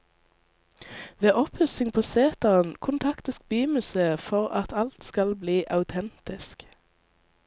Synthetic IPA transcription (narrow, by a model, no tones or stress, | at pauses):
ʋeːʔɔphʉsɪŋpʰoːseːt̪ɑʁənkʰʊnt̪ʰɑkt̪əsk̚byːmʉseːfɔʁɑ̰t̪ʰɑlt̪skɑlbliːʔɑʉt̪ʰɛnt̪ɪsk